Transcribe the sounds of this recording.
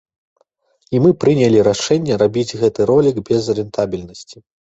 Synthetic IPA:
imɨpɾɨnʲɐlʲiɾaʂɛnʲːɛɾabʲid͡zʲɣɛt̪ɨɾɔlʲiɡbʲɛzɐɾʲɛnt̪ʰabʲilʲnɐsʲt͡sʲi̥

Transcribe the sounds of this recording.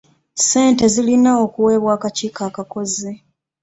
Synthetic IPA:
se̞ːnte̞zilinaokuwe̞ːβwaːkaciːkaːkako̞zi

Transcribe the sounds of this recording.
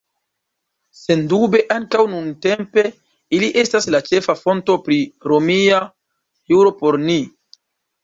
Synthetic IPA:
se̞ndube̞ʔaŋkawnunte̞mpe̞ | iliʔe̞staslat͡ʃe̞fafo̞nto̞pɾiɾomia | juɾo̞po̞ɾni

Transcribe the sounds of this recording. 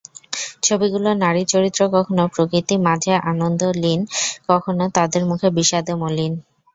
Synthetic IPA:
t͡ɕʰobiɡulonaɾit͡ɕoɾit̪ːɾokɔkʰonopɾokɾit̪imad͡ʑʱaʔanond̪ʱolinkɔkʰonot̪ad̪eɾmukʰebiʃad̪emolin

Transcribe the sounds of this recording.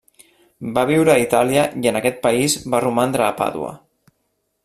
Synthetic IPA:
baβ̞iwɾəit̪aliəjənəkɛt̪̚pəizbarumand̪ɾəːpa̰ðṵə̰

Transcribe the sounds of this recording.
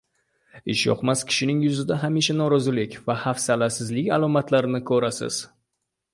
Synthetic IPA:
ɪʃjɒ̰qmaskʲʰɪ̥ʃɪnɪŋjʊzɪd̪aɦamiʃanɒɾɒzɪlɪkʲvahafsalasɪzlɪkʲalˠɒmat̪ʰlaɾɪnɪkʰɵɾasɪ̰z̥

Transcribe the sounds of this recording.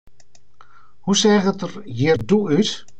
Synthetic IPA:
husɛːɣətərjɪrduyt

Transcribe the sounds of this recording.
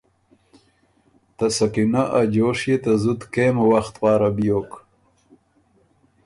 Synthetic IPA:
t̪asakinaʔad͡ʒoːʂjet̪azut̪keːmwaxt̪pɑːɾabjoːk

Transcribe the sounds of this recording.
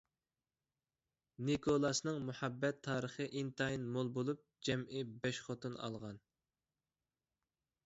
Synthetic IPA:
nikʰolˠɑsnɨŋmuħɑbːɛt̪ʰːɑːɾəχəʔint̪ʰɑjnmolˠbolˠup̚d͡ʒɛmɪbɛʃχot̪unɑ̰lˠʁɑn

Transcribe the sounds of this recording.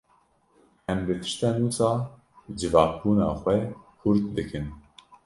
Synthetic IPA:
ɛmbɨt̪ʰɨ̥ʃt̪ɛnuːsɑː | d͡ʒɨvɑːk̚buːnɑːxʷɛkʰʊɾt̪̚d̪ɨkʰɨn

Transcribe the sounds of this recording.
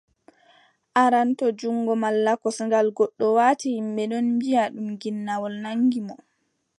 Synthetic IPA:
ʔaɾantɔd͡ʒuŋːɡɔmalːakɔsŋɡalɡɔɗːɔwaːtihimɓɛɗɔnmbijaɗumɡinːawɔlnaŋɡimɔ

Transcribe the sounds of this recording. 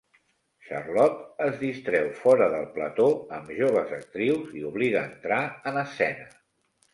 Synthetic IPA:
ʃə̰rlɔt̪əzðist̪ɾɛwfɔɾəðəlˠplət̪oəmʒoβ̞əzək̚t̪ɾiwziuβliɣəːnt̪ɾaənəsɛnə

